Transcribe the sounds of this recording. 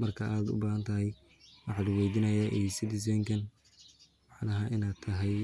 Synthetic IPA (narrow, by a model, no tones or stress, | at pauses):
mɐrkʰɐʔaːd̪ʊ̰baːhɐnt̪ʰɐɦɛj | wɑħɑːd̪ɐwɛːd̪ɪnɐjɐʔɛjsɪd̪ɪs̬ɛːŋkʰɐn | wɑħnɐɦɐʔɪnaːd̪̚t̪ʰːɐɦɛj